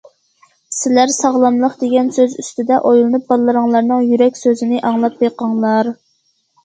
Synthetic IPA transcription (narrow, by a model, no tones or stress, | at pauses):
sɪlæɾsɑʁlˠɑmlˠəqd̪eɡʲɛnsøzyst̪ɪd̪ɛʔojlˠɨnup̚bɑlˠːɨɾəŋlˠɑɾnɨŋjyɾɛkʲsøzɪnɪʔɑŋlˠɑp̚beqɑŋlˠɑɾ